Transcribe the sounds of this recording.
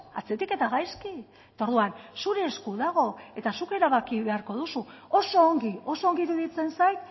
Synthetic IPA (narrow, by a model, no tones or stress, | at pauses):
a̰t͡se̞t̪ike̞t̪aɣajski | et̪aoɾðuansuɾe̞ːskuðaɣ̞o̞e̞t̪asuke̞ɾaβakiβe̞aɾko̞ð̞usuoso̞ːŋɡio̞so̞ːŋɡiːɾuðit͡se̞nsajt̪